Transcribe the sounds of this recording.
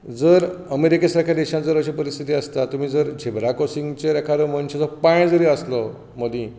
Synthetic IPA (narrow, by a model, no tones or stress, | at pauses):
d͡zəɾəmeɾikesaɾkʰad̪eɕãnt͡səɾət͡ɕiːpəɾist̪ʰit̪iːəst̪at̪um̤iːd͡zəɾd͡ʑʱebɾakosiŋɡt͡ɕeɾɛkʰaɾəməɳɕed͡zɔɾpãj̃d͡zəɾiːəslɔ | məd̪ĩː